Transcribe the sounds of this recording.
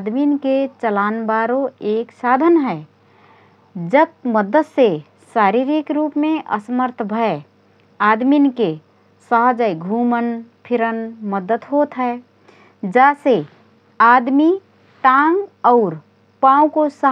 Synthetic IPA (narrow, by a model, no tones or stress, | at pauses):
ad̪minket͡ʃəlaːnbaɾoeːksad̪ʱənɦɛ | d͡ʒət̚məd̪ət̪se | saɾiɾikɾupmẽʔə̰səməɾt̪ʰbʱəe | ad̪minke | səɦd͡ʒəjɡʱumənpʰiɾənməd̪ət̪ɦot̪ɦɛ | d͡ʒase | ad̪mi | ʈãŋɡɔʊɾ | paũkosə